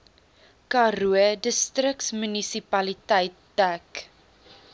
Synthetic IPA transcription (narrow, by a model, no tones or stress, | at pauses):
kɑɾuədəstrək̚smynisipɐlitɛjtːæk